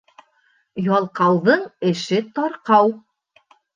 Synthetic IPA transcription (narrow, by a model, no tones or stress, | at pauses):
jɑlˠqɑwðɤɴɘ̆ʃɘt̪ɒɾqɑw